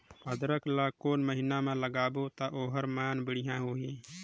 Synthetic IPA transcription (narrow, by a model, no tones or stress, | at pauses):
əd̪ɾəklaːkoːnməɦɪnamẽləɡaːbot̪aʔoːɦəɾmaːnbɪɽɪjãɦoːɦẽː